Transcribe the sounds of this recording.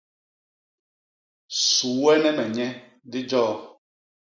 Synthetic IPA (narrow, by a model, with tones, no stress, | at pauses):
su˨wɛ˦nɛ˦mɛ˨ɲɛ˦ | dɪ˦d͡ʒɔː˦˨